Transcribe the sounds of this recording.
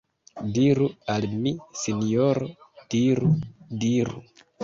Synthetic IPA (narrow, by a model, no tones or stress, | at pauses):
diɾualmisinioɾod̥iɾudiɾṵ